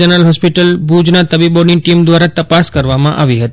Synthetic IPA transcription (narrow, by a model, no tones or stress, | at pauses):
ənəlɦɔspiʈəlbud͡ʒnat̪əbibɔniʈimd̪ʋaɾat̪əpaskəɾʋamãʔaʋiɦət̪i